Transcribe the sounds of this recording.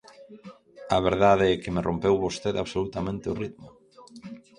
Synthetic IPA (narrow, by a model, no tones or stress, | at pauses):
ɐβeɾðaðeɛkɪmɪrʔompewβost̪eðaβsolut̪amẽnt̪ɪʊrit̪mʊ